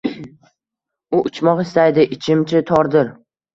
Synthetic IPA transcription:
ʊʔʊt͡ʃʰmɒqɪst̪ajd̪ɪʔɪt͡ʃʰɪmt͡ʃʰɪt̪ʰɒɾd̪ɪɾ

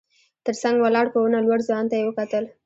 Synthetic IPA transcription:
t̪əɾsaŋɡwalɑɽpəwunalwaɽzjɑnt̪ajewəkat̪əl

